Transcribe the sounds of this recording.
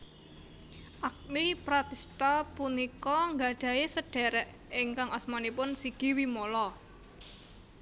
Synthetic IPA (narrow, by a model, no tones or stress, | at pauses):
ʔak̚lipɾat̪ist̪apunikɔŋɡaɖ̥a̤jesəɖ̥ɛ̤ɾɛʔ | ɪŋkaŋɔsmanipʊnsiɡ̥iwimolɔ